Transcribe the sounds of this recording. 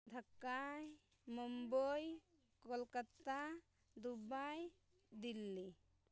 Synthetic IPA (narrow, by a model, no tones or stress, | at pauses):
d̪ʱəkːaj | mumbəj | kolkət̪a | d̪ubaj | d̪ilːi